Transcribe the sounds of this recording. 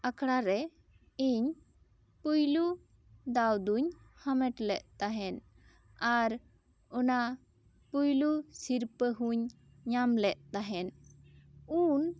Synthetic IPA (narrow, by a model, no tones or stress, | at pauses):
akʰɽaɾɛ | iɲ | pujlu | d̪awd̪uɲ | hamɛʈlɛʔ̪̚t̪aɦɛn | aɾ | ɔna | pujlusiɾpəɦuɲ | ɲamlɛʔ̚t̪aɦɛn | un